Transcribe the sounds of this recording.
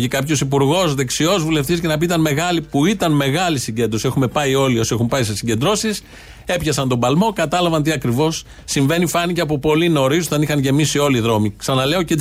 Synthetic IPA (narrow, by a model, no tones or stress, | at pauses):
ikɐpço̞sipuɾɣo̞zðe̞ksio̞zvule̞ft̪is̬cenɐpiit̪ɐnme̞ɣɐlipuit̪ɐnme̞ɣɐlisiɲɟe̞nd̪ɾo̞sie̞xume̞pɐio̞lio̞sie̞xumpɐise̞siɲɟe̞nd̪ɾo̞sis | e̞pçɐsɐnt̪o̞bɐlmo̞kɐt̪ɐlɐvɐnt̪̬iɐkɾivo̞sː | iɱve̞nifɐniceɐp̬o̞po̞lino̞ɾisot̪ɐnixɐnʝe̞misio̞liðɾo̞miksɐnɐle̞o̞ce